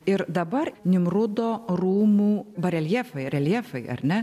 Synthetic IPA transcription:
ɪɾd̪ɐbɐrnʲɪmɾʊd̪oːɾuːmuːbɐɾʲɛlʲjɛːfɐɪɐɾʲɛlʲjɛːfɐɪɐ̰ɾʲnʲɛ

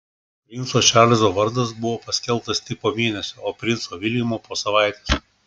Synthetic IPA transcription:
ʋʲɪnsoːʃʲæːlʲɪzoːʋɐɾd̪ɐs̬bʊʋoːpɐsʲkʲɛlˠˑt̪ɐsʲt̪ʲɪpoːmʲeːnʲɛsʲooːpʲɾʲɪnt̪soːʋʲɪlʲɪmoːpoːsɐʋɑˑɪt̪ʲes

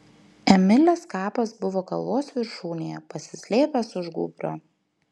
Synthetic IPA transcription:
ɛmʲɪlʲɛskɑːpɐsbʊʋoːkɐlˠʋoːsʋʲɪɾʃuːnʲejɛpɐsʲɪsʲlʲeːpʲɛsʊʒɡʊ̰ːbʲɾʲoː

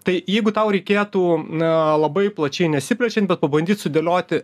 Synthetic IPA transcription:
t̪ɐɪjɛɪɡʊt̪ɐʊɾʲɛɪkʲeːt̪uːlˠɐbɐɪplˠɐt͡ʃʲɛɪnʲɛsʲɪpʲlʲɛt͡ʃʲɛnt̪bʲɛt̪̚pɐbɐnʲd̪ʲiːt̪sʊd̪ʲelʲoːt̪ʲɪ

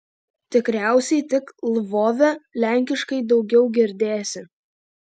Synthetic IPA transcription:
t̪ʲɪkɾʲæˑʊsʲɛɪt̪ʲɪklˠʋoːʋʲɛlʲæˑŋʲkʲɪʃkɐɪd̪ɒʊɡʲɛʊɡʲɪɾʲd̪ʲeːsʲɪ

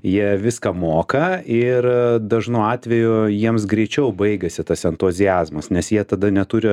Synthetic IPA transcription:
jiɛʋʲɪskɐmoːkɐɪrd̪ɐʒnuɑːt̪ʲʋʲɛjʊjiɛms̬ɡɾʲɛɪt͡ʃʲɛʊbɐɪɡɐsʲɪt̪ɐsɛnt̪ʊzʲɪæːzmɐsnʲɛsjiɛt̪ɐd̪ɐnʲɛt̪ʊɾʲɪ

